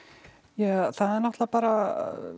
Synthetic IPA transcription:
jɛθaðɛɾnaht̪lapaːɾa

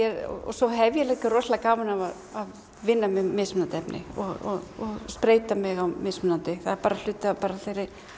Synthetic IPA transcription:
ɛɾɔ̰sɔɦɛvjɛlɛkarɔslakaːwmanavað | að | vɪnːamɪmɪːsmʏnant̪ɛpnɪ̰ɔɣɔɔspɾeːjt̪amɪɣawmɪsmʏnant̪ɪθaðɛɾpaːɾal̥ʏːt̪apaːɾaθejɾɪɾ̥

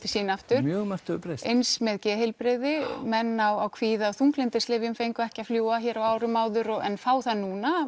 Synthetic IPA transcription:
t̪ʰɪsiːnaft̪ʏɾ̥mjœːɣmaft̪ʏʏpɾesejnsmɛðcɛːɦɪlpɾeðɪmɛnːawawkʰviːðaθuŋklɪnt̪ɪsleːvjʏmfejŋkʏɛhcɪafljuːwaçɛːɾawaːwɾʏmaːwðʏɾɔɣɛ̰nfaːwθaðnuːna

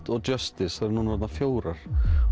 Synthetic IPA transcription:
t̪ɔɣtœst̪ɪsɛɾnuːnvɔɾt̪nafjoːwɾaɾ̥

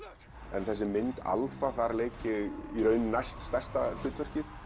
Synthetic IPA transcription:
ɛ̰nθɛsːɪmɪnt̪a̰lfaθaɾleːcɪiɾœːɥnʏnajst̪st̪ɛr̥st̪afʏt̪vɛr̥cɪθ

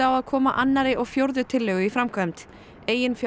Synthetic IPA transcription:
awaðkʰɔːmaʔanːaɾɪʔɔɣfjowɾðʏt̪ʰɪlːʏɣʏifɾamkʰvœmt̪ | eːjɪnf

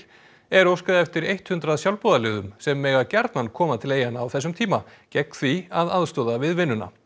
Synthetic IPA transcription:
ɛɾowskaðaɛft̪ɪɾejht̪hʏnt̪ɾaðsjawlpɔðalɪɣðʏmsɛmːɛːɣacaɾt̪nankʰɔːmaðt̪ʰɪleːjanːaːwθɛsːʏmt̪ʰiːma | cɛk̪θviaðaðst̪ɔːðavɪðvɪnːʏna̰

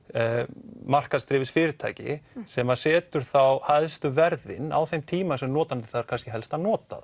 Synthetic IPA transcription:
mar̥kast̪ɾɪːvɪsfɪːɾɪɾt̪ʰa̰ːcɪ̰sɛmasɛːt̪ʏɾ̥θawhaðst̪ʏvɛɾðɪ̰na̰wθejmt̪ʰiːmasɛmnɔːt̪ant̪ɪ̥θaðɾkʰanscɪɦɛlst̪anɔːt̪a̰ð

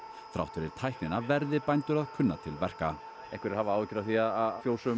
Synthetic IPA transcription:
fɾa̰wht̪vɪɾɪɾ̥t̪ʰajhknɪnavɛɾðɪpajnt̪ʏɾaðkʰʏnːat̪ʰɪlvɛr̥ka | ɛhkvɛɾɛɾhaːvaaːwðɪcɾawθiaðaðfjoːwsʏ

